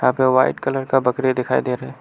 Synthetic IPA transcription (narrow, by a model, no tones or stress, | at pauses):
aːpeʋaːɪʈkɐləɾkabɐkɾed̪ɪkʰaːid̪eːɾɐɦɛː